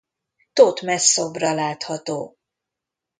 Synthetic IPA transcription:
t̪ot̪mɛsːobrɒlaːt̪hɒt̪oː

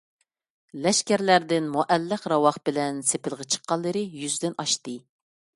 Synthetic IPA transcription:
lɛʃkʲæɾlæɾd̪ɪnmoʔɛlːəqɾɑwɑχbɪlɛnsepɪlˠʁət͡ʃʰə̥qʰːɑlˠːɨɾɨjyzd̪ɪnɑʃt̪ɨ

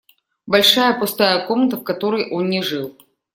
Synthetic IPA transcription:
bɐlʲʂajəpʊst̪ajəko̞mnət̪əfkɐt̪o̞ɾəjʔo̞nːʲɪʐɨlˠ

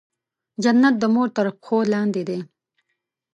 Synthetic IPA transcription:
d͡ʒanːat̪̚d̪əmoɾt̪əɾpxolɑnd̪ed̪e

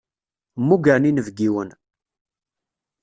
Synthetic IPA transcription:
mːuɡæninəvɡiwən

